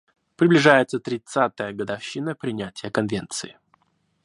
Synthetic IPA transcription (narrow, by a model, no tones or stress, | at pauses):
pɾʲɪblʲɪʐajɪt̪sət̪ɾʲɪt̪sat̪əjəɡəd̪afɕːinəpɾʲɪnʲætʲɪjəkɐnvʲent̪sɨɪ